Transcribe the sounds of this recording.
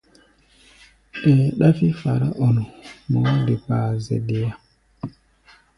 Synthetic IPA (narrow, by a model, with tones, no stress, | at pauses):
ɗɛ˨ɗa˦fi˦fa˨ɾa˦ʔo˨nu˨mo˨˦de˨paː˨zɛ̰˨ɗe˨ja˦